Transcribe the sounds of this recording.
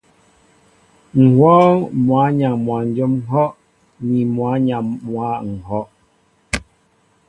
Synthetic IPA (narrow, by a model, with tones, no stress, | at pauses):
ŋ̩˨hwɔː˦mwa˨˦ɲa˨mwa˨n̩˦d͡ʒo˦m̩˦ɦɔ˦ʔ | ɲi˨mwa˨˦ɲa˨mwa˨˦ŋ̩˨hɔ˦ʔ